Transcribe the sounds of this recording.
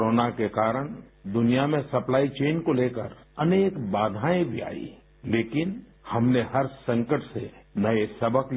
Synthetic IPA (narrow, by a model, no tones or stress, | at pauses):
ɾoːnakekaːɾəɽ̃d̪ʊnijamẽsɐplaːit͡ʃeːnkoleːkəɾɐneːkbaːd̪ʱaːẽbʱia̰ːḭ | leːkɪn | hɐmneɦɐɾsɐ̃ŋkəʈsḛnɐesɐbʱək